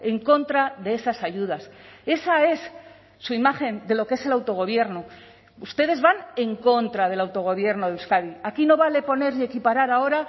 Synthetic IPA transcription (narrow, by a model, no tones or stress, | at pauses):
e̞ŋko̞nt̪ɾaðe̞e̞sasaʝuðase̞sae̞sː | uimaxe̞nd̪e̞lo̞kee̞se̞lawt̪o̞ɣ̞o̞β̞je̞ɾno | ust̪e̞ð̞e̞zβane̞ŋko̞nt̪ɾað̞e̞lawt̪o̞ɣ̞o̞βje̞ɾno̞ð̞euskaðiakino̞βale̞po̞ne̞ɾnie̞kipaɾaɾao̞ɾa